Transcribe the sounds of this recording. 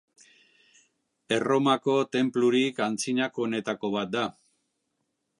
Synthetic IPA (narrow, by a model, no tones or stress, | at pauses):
e̞ro̞mako̞t̪e̞mpluɾikant͡siɲako̞ːne̞t̪ako̞β̞at̪̚d̪a